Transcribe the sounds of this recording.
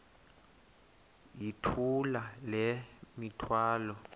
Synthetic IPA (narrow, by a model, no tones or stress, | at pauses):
jitʰulalɛmitʰwaːlɔ